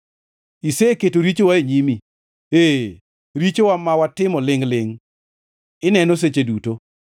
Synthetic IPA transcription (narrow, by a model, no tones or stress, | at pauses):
iseketoɾit͡ʃowaeɲimi | e | ɾit͡ʃowamawatɪmɔlɪŋlɪŋ | ɪnɛnos̬et͡ʃeduto